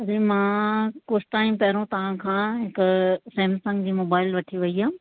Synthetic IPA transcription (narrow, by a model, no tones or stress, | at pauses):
ɐɾiːmãːkoːsʈaːɪmpɐɦɾõt̪ɐʋ̤ãkʰãːɦɪkʊseːmsɐ̃ŋɡd͡ʑiːmoːbaːɪlʋɐʈʰiʋɐiɦaː